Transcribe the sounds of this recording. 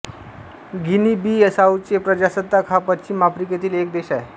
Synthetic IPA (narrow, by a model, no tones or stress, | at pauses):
ɡinibiːəsaut͡ɕepɾəd͡ʑasəd̪ːakʰapət͡ɕimapɾiket̪iːlek̚d̪eɕae